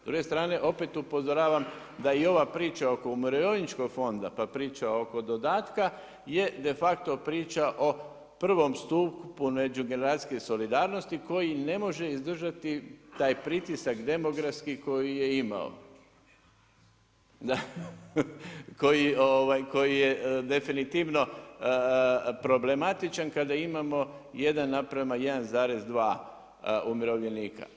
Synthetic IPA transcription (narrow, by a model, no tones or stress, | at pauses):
zd̪ɾuɡe̞st̪ɾaːne̞ʔo̞pe̞t̪upo̞zoɾaːʋam | d̪aio̞ʋapɾiːt͡ʃao̞ko̞umuɾejonit͡ʃko̞ɡfo̞nd̪a̰papɾiːt͡ʃao̞ko̞d̪o̞d̪aːt̪ka | je̞d̪e̞fak̚t̪o̞pɾiːt͡ʃaʔo̞ | pr̩ʋo̞mst̪uːkpune̞d͡ʒuɡe̞neɾaːsi̥keso̞lid̪aːɾno̞st̪iko̞jine̞mo̞ʒe̞izd̪r̩ʒat̪it̪aːjpɾit̪isakd̪e̞mo̞ɡɾaskiko̞jije̞ima̰o̰ | d̪a | ko̞jioʋajko̞jije̞d̪e̞finit̪iʋno̞ | pɾo̞ble̞mat̪it͡ʃankad̪aimamo̞je̞d̪anːapɾamaje̞d̪anzaːɾe̞zd̪ʋaː | umiɾo̞ʋlje̞niːka̰